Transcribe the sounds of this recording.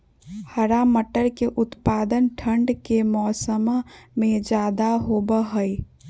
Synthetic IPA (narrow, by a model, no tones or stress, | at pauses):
həɾaməʈəɾkeʔʊt̪pad̪ənʈʰəɳɖkemɔːsəmmẽd͡ʒaːd̪aɦobəɦəj